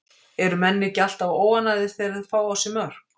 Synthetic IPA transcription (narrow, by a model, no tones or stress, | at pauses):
ɛɾʏmɛnːɪcal̥t̪avoːwvanaðɪθɛɾɪðfaːwawsɪmœɾ̥